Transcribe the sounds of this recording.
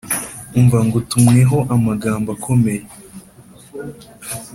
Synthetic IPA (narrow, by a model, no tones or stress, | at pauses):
uɱvaŋɡotumŋeɦo̞ʔamaɡaːmbakʰome̞je